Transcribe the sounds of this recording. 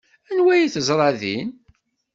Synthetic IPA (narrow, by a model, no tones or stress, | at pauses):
ænwæjiθəzˤɾˤɑðḭn